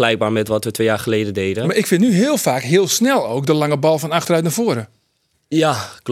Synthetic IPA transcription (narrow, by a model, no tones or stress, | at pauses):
lɛjk̚baːɹmɛtʋɔtʋətʋeːjaːɹχəleːdədejdəmaɾɪkfɪnnyɦɪəlˠfaːkɦɪəlˠsnɛlˠoːk̚dəlaŋəbɔlˠfɔnaxtərœɥtnavoəɾə | jak